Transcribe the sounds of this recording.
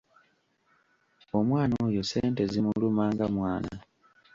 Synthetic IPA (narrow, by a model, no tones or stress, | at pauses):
o̞mwaːnojo̞se̞ːnte̞zimulumaːŋɡamwaːnana